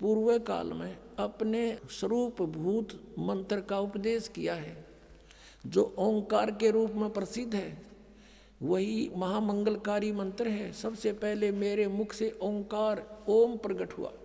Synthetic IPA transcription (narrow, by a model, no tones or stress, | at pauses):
puːɾwəka̰ːlmẽɐpneswəɾuːpbʱuːt̪mə̃nt̪ɾkaʊpd̪eːskijaɦɛː | d͡ʒoːʔɔ̃ːŋkaːɾkeɾuːpmẽpɾəsɪd̪ʱːɦɛː | ʋɐɦimɐɦaːmə̃ŋɡəlkaːɾimə̃nt̪ɾɦɛsəbsepɛɦlemeːɾemʊkʰseʔɔ̃ːŋkaːɾoːmpɾəɡəʈɦʊ̰a̰ː